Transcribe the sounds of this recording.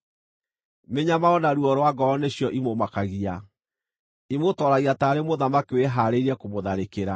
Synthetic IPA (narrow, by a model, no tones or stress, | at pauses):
meɲamaɔnaɾuɔɾwaɡɔɔneɕijɔʔimomakaɣia | imotɔɾaɣiataːɾemoðamakiweɦaɾeiɾɛkomoðaɾekeɾa